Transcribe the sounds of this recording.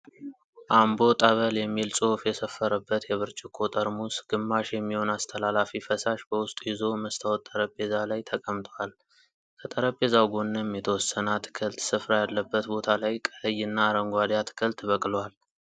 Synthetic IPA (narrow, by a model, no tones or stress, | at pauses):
ʔambo̞t̪ʼəβəljɛmːilsʼofjɛsəfːəɾəbːət̪jɛβɨɾt͡ʃʼɪkʰːot̪ʼəɾmusɡ̥ɨmːaʃjɛmːiho̞nast̪ʰəlalafifəsaʃbəwʊst̪ʼujɪzo̞məst̪ʰawɔt̪ʼːəɾəpʼːe̞zalajt̪ʰəkʼəmt̪ʰəwal | kʰət̪ʼəɾəpʼːe̞zawɡo̞nːɨmjɛt̪ʰəwɔsːənat̪ʰɨ̥kʰəlt̪sɨfɾajalːəbːət̪bo̞t̪ʰalajkʼələjːɨnːaːɾəŋɡʷad̪jat̪ʰɨ̥kʰəlt̪βəkʼlwal